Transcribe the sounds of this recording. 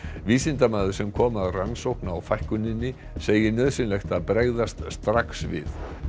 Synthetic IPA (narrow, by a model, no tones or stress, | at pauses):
viːsɪnt̪amaːðʏɾ̥sɛmkʰɔːmaðransowhknaːwfajhkʏnːɪnːɪ | seːjɪnœːðsɪnlejxt̪aðpɾeːɣðast̪st̪ɾaksvɪ̰θ